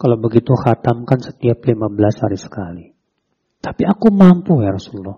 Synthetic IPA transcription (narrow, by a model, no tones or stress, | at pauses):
kalawbəɡit̪uhat̪amkansə̥t̪iaplimabəlashaɾisə̥kali | t̪ḁpiakumampujaɾasululːɔh